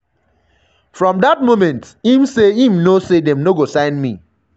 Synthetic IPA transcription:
fɹɔ̃mdat̚momɛ̃nt | ĩmseĩm̩nosedɛ̃mnoɡosãɪ̃nmḭ

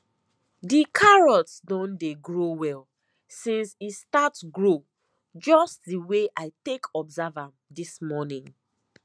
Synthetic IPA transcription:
dikʰaɹɔtsdɔ̃ndeɡɹowɛl | sĩnsistatsɡɹo | d͡ʒɔstdiweʔaɪtekɔbzavãmdismɔnĩŋ

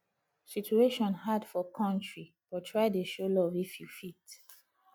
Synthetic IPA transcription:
sit͡ʃueʃɔ̃nɦadfɔkʰɔ̃ntɹi | b̥ɔtʰɹaɪdeʃolɔvefjufit

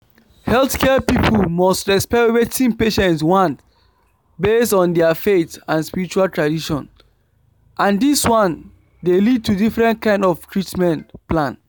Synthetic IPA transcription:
hɛlˠθkʰɛpipʰəlmɔstɹɛspɛwetĩŋpeʃɛ̃ntswɔ̃nt | bestɔ̃ndɛfetãnspiɹit͡ʃualtʰɹadiʃɔ̰̃n | ʔãndiswɔ̃n | delid̚tʰudifɹɛ̃ntkãɪ̃ndɔftʰɹitmɛ̃ntplãn

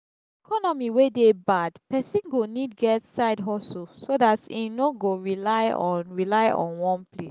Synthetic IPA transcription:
ikʰɔnɔmiwedebadpɛsĩnɡonid̚ɡɛtsaɪdɦɔsosodatĩnoɡoɹilaɪɔ̃nɹilaɪɔ̰̃nwɔ̃nple

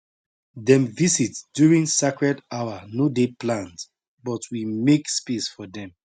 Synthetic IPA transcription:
dɛ̃mvizitd̥juɹĩŋsakɹɛdaʊanodeplãnt | bɔtʰwimekspisfɔdɛ̃m

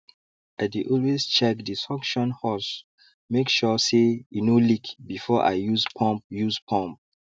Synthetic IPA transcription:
adeʔɔlwezt͡ʃɛk̚disɔkʃɔ̃nhɔs | mekʃɔseinolikbifɔʔa̰ɪjuzpʰɔ̃mp̚juzpʰɔ̃mp̚

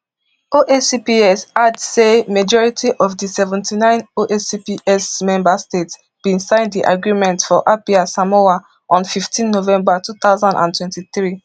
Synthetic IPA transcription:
oʔesipiɛsadsemad͡ʒɔɹitʰiʔɔfdisɛvɛ̃ntʰinãɪ̃noʔesipiʔɛsmɛ̃mbastets | b̥ĩnsãɪ̃ndiʔa̰ɡɹimɛ̃ntfɔʔapiasamowa | ʔɔ̃nfiftʰĩnːovɛ̃mbatʰuθaʊzãndã̰ntwɛ̃ntiθɹi

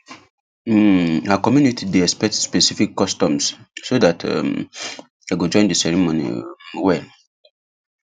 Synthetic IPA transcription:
akɔmjunitʰideɛspɛk̚tsspɛsifikːɔstɔ̃mssodatʰɛ̰m | aɡod͡ʒɔ̃ɪ̃ndisɛɹimonḭwɛl

